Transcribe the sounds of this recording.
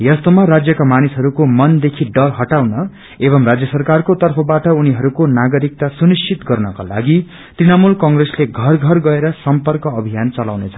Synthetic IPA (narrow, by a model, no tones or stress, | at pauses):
jʌst̪omarad͡zjʌkamanisɦʌɾukomʌnd̪ekʰiɖʌrɦʌʈawnʌ | ebʌmrad͡zjʌsʌrkarkot̪ʌrpʰʌbaʈʌuniɦʌɾukonaɡʌɾik̚t̪asunist͡sʰit̪ɡʌrnʌka̰la̰ɡi | t̪rinamulkʌŋɡresleɡʱʌrɡʱʌrɡʌeɾʌsʌmpʌrkʌːbʱijant͡sʌlawnet͡sʰʌ̥